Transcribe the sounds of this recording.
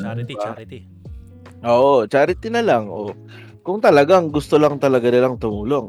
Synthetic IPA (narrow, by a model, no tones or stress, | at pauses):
ʔoːʔot͡ʃaːɾɪt̪ɪnɐlaŋʔo̰ | kʊŋt̪ɐlɐɡaŋɡʊst̪olaŋt̪ɐlɐɡanɪlaŋt̪ʊmuːlo̞ŋ